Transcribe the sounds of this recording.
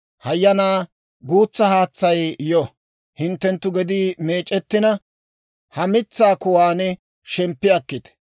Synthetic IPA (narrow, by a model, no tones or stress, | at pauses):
hɐjːɐnaː | ɡuːt͡sːɐhaːt͡sːɐjjɔ | hɪnt̪ːɛnt̪ːʊɡɛd̪iːme̞ːt͡ʃʼːɛt̪ːɪnɐ | hɐmɪt͡sːaːkʊwaːnɛ | ʃɛmpːɪɐkːɪt̪